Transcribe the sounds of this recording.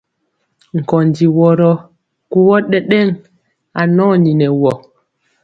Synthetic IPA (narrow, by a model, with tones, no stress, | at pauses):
ŋ̩˨kɔ˨ndi˨wɔ˨ɾɔ˦ | ku˦wɔ˦ɗɛ˦ɗɛ˦˨ŋ | a˨nɔ˦ni˨nɛ˨wɔ˨